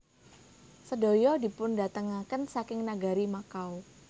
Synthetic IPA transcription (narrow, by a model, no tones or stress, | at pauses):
sədojɔdi̤pʊnda̤t̪əŋakənsakɪŋnaɡaɾimakaw